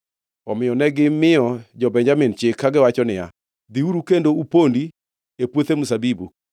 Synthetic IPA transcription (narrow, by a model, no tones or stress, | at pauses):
ɔmɪjɔnɛɡɪmɪɔd͡ʒɔbɛɲd͡ʒamɪndt͡ʃɪkʰːaɡɪwat͡ʃɔnɪja̰ | d̪iuɾukendoupondi | epwot̪emusabibu